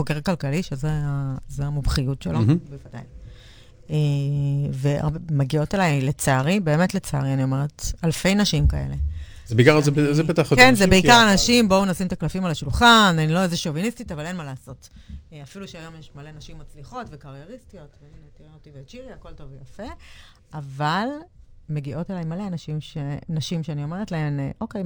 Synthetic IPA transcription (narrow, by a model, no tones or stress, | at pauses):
χokeʁakalkaliʃezeazeamubχijutʃelabevada̰j | e | vea̰bmaɡio̞telajlet͡saʁibe̞ːme̞tlet͡sa̰ʁianio̞me̞ʁethalfe̞jnaʃimkae̞̰le̞ | zebeikaʁzezebetaχkenzebeikaʁanaʃimbonasimet̪aklafimalaʃulχananilo̞ezeʃovinistitavale̞nmalaːso̞tafiluʃeajo̞mjeʃmalenaʃimːat͡sliχo̞tvekaʁjeʁistijo̞tveninetieotiveːt͡ʃiʁiako̞lto̞vejafe̞ | avalmeɡiʔo̞telajmaleanaʃimʃenaʃimʃeanio̞me̞ʁetlae̞mʔo̞kej